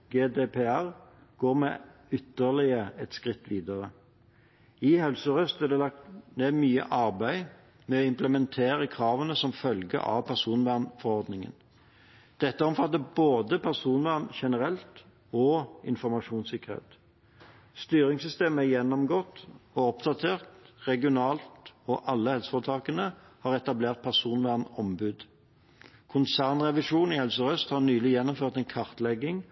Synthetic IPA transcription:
ɡeːd̪eːpʰeæʁ | ɡ̥oːʁmɛʏt̪ːəʁlɪəɛt̪skʁɪt̪ːʋiːd̪əʁə | ɪhɛlsəʁœst̪æd̪ɛlɑk̚t̪neːd̪myːə̰ʔɑʁbæɪ | mɛɔɪmpləmɛnt̪ʰeːɾəkʰʁɑːʋənəsɔmfœlɡə̰ʔɑ̰ʋpʰæʁsuːnʋæʁnfɔʁɔʁd̪nɪŋə̰n | d̪̥ɛt̪ːəɔmfɑt̪ːəboːd̪əpʰæʁsuːnʋæʁnʃɛnəʁɛlt̪ | ɔɪ̰nfɔʁmɑʂuːnsɪkəʁḛːt̪ | st̪yːʁɪŋsʏst̪eːməæjɛnːɔmɡɔt̪ːɔɔpd̪ɑt̪ʰeːʁt̪ʁɛɡɪʊnɑːlt̪ɔʔɑlːəhɛlsə̥fɔʁət̪ʰɑːkənəhɑːʁɛt̪ɑbleːʁt̪̚pʰæʁsuːnʋæʁnɔmbʉd̪ | kʰʊnsæʁnʁɛʋɪʂuːnihɛlsɔʁœst̪hɑʁnyːlɪjɛnːɔmføːʁt̪ɛnkʰɑʁt̪lɛɡːɪŋ

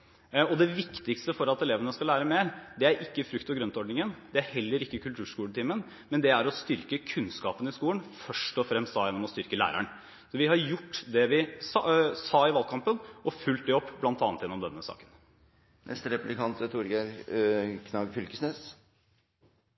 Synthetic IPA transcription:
ɔd̪ɛʋɪkt̪ɪkst̪əfɔɾɑt̪ɛleːʋənəskɑlæːɾəmeːɾd̪ɛæɾʔɪkːəfɾʉkt̪ɔɡɾœnt̪ɔɖɳɪŋənd̪ɛæɾhɛlːəɾɪkːəkʰʉlt̪ʰʉːʂkuːlət̪ʰiːmən | mɛnd̪ɛæɾɔst̪ʏɾkəkʰʉnskɑːpənɪskuːlənfœʂʈɔfɾɛmst̪ɑːjɛnːɔmɔst̪ʏɾkəlæ̰ːɾæ̰ɳ | sɔʋɪhɑɾjʊʈːd̪ɛʋɪsɑsɑːɪʋɑlkʰɑmpənɔfʉlt̪̚d̪ɛɔpːblɑnt̪ɑːnt̪ʰjɛnɔmd̪ɛnːəsɑ̰ːkən | nʔɛ̰st̪əɾɛplɪkʰɑnt̪t̪ʰuɾɡe | kʰnɑːɡfʏlkəsneːs

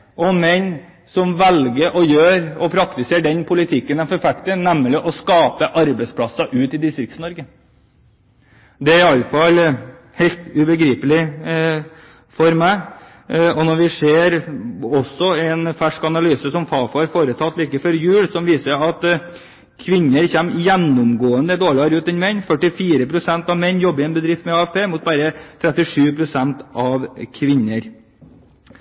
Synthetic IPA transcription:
ʔɔmɛɲ | sɔmʋɛlɡəɾʔɔjøːɾɔpʰɾɑkt̪ɪseːɖɛnpʰʊlɪt̪ʰɪkːənɛnfɔɾfækt̪ənɛmːlɪʔɔskɑːpəʔɑɾbɛɪspʰlɑsɑʔʉːt̪ɪd̪ɪst̪ɾɪkt̪snɔɾɡə | d̪ɛæɾɪɑlːəfɑl | hɛɪlt̪ʉbəɡɾiːpəlɪ | fɔɾmæɪ | ɔnɔɾʋɪʂeːɾɔsɔɛnfæʂkɑnɑlyːsəsɔmfɑːfɑɾfoːɾət̪ʰɑt̪liːkəfɔɾjʉːlsɔmʋiːsəɑt̪ | kʰʋɪnːəɾçɛmjɛnːʊmɡoːənd̪əd̪oːɭɪɑɾʉːt̪ɛnmɛnːfœʈɪfiːɾəpʰɾʊsɛnt̪ɑʋmɛnːjɔbːəɾɪɛnbəd̪ɾɪft̪mɛɑːɛfpʰeːmʊt̪̚bæːɾət̪ʰɾɛt̪ːɪʂʉːpʰɾʊsɛnt̪ʔɑʋkʰʋɪnːəɾ

